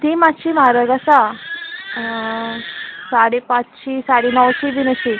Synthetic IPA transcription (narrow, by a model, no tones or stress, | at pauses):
t̪imaɕiːmaɾəɡasa | saɽepãt͡st͡ɕiːsaɽenəwt͡ɕiːʋinəɕi